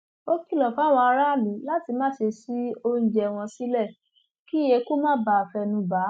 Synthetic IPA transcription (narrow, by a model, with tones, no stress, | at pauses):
o˦ki˦˨lɔ˨fa˨˦˨w̃ɔ̃˧a˧ɾa˦˨mĩ˨˦la˦ti˧mãː˦ʃe˧si˦o˧˦ñ̩˦d͡ʒɛ˧w̃ɔ̃˧si˦lɛ˦˨ | ki˦je˧ku˦mãː˦ba˧˨fɛ˧nũ˧ba˨˦